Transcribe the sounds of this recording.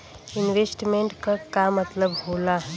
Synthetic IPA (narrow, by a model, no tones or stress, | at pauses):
ɪnʋeːsʈmẽɳʈkakamət̪ləbɦoːla